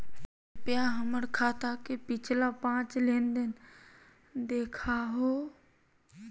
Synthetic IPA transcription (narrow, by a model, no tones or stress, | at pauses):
pɪjaːɦəməɽkʰaːt̪aːkepɪt͡ʃʰlapãːt͡ʃleːnd̪en | d̪eːkʰaɦoː